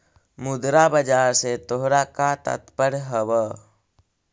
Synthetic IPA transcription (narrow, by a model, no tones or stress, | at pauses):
mud̪ɾabəd͡ʒaːɾset̪oɦɾakat̪ə̰t̪pəɾɦəwə